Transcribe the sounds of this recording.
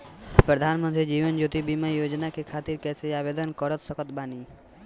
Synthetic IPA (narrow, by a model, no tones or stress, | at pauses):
pɾəd̪ʱaːnmə̃nt̪ɾid͡ʒiːʋənd͡ʒoːt̪ibimajoːd͡ʒnakekʰaːt̪iɾkɛːseaːbed̪ənkɔɾət̪səkət̪baːni